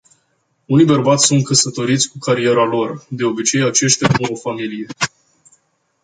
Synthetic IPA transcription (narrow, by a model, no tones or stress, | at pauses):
unijbərbat̪sʲsunt̪̚kəsət̪o̞ɾit̪sʲkukʰaɾie̞ɾalo̞rd̪e̞o̞bit͡ʃe̞jat͡ʃe̞ʃt̪ʲauofamilije̞